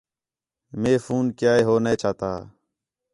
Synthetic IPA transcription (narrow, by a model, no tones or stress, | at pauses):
meːfuːnkjaːeːɦoːneːt͡ʃʰaːt̪a̰ː